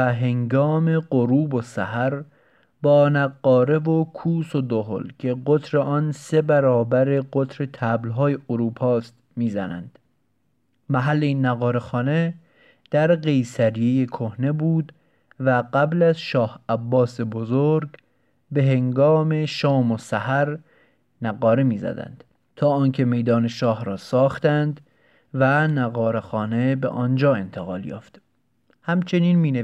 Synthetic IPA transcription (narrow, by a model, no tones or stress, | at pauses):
æɦe̞ŋɡɒːme̞ɢoɾuːbosæ̰hæɾ | bɒːnæɡːɒːɾe̞vokʰuːsod̪oɦo̰lcʰe̞ɢot̪ʰɾe̞ʔɒːnse̞bæɾɒːbæɾeɡo̞t̪ʰɾe̞t̪ʰæblɦɒːjeoɾuːpʰɒːst̪ | miːzænæ̰nd̪̥ | mæɦælːeiːnːæɣɒːɾe̞xɒːne̞ | d̪̥æɾɢe̞jsæɾijejekʰohne̞buːd̪ | væɢæblæzʃɒːhæbːɒːsebozoɾɡ | be̞ɦe̞ŋɡɒːme̞ʃɒːmosæhæɾ | næɣɒːɾemiːzæ̰d̪æ̰nd̪̥ | t̪ʰɒːɒːnkʰe̞me̞jd̪ɒːne̞ʃɒːhɾɒːsɒːxt̪ænd̪ | vænæɣɒːɾe̞xɒːnebḛʔɒːnd͡ʒɒːe̞nt̪ʰe̞ɣɒ̰ːljɒ̰ːft̪ | hæmt͡ʃʰe̞niːnmiːne